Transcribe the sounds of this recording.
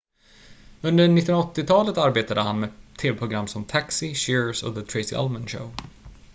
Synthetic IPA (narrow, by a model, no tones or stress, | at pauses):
ɵnd̪əɳɪːnnaɔt̪ːɪt̪ʰɑːlət̪aɾbeːt̪ad̪əhanmeːt̪ʰeːvɛpʰɾʊɡɾamːsɔmt̪ʰaksɪʃɪɹsɔ̰ðət̪ʰɾeɪsɪ̰ʔɛ̰lmənʃə̰ʊ